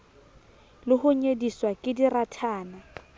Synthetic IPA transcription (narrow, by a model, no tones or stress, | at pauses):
lɪhʊɲediswakʼɪdiratʰaːna